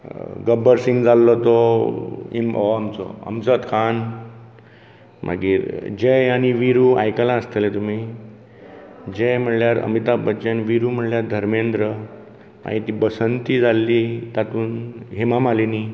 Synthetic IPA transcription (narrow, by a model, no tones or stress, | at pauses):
ɡəbəɾsiŋɡd͡zalːɔt̪ɔ | imɔ̰amt͡sɔ̰a̰mt͡sət̪kʰan | mʔa̰ɡiːɾd͡ʑejaɽ̃iʋiɾua̰jkalãəst̪əlet̪um̤i | d͡ʑejm̤əɽljaɾə̰mit̪abət͡ɕanʋiɾum̤əɽljaɾd̪ʱəɾmend̪ɾə | ma̰ɡit̪iːbəsənt̪id͡zalːit̪at̪uːnɦemamalini